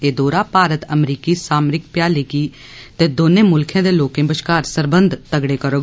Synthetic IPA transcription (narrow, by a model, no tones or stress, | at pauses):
eːd̪oːɾaːpaːɾət̪əmɾiːkiːsaːmɾɪk̚pjaːleːkiː | t̪eːd̪oːneːmʊlkʰẽːd̪eːloːkẽːbəʃkaːɾsəɾbənd̪ʱt̪əɡɽeːkəɾoː